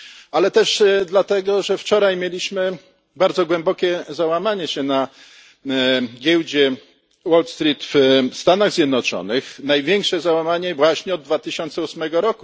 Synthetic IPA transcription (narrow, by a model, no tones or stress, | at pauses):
alɛt̪ɛʂd̪lat̪ɛɡɔʐɛft͡ʂɔɾajmʲjelʲiɕmɘ | baɾd̪zɔɡwɛmbɔkʲɛzawamaɲɛɕɛna | ɡʲjɛwd͡ʑɛ | wɔlt̪st̪ɾʲit̪fst̪anaɣzʲjɛd̪nɔt͡ʂɔ̰nɘxnajvʲjɛŋkʂɛzawamaɲɛvwaɕɲɛɔd̪̚d̪vat̪ɘɕɔnt̪sɛusmɛɡɔɾɔku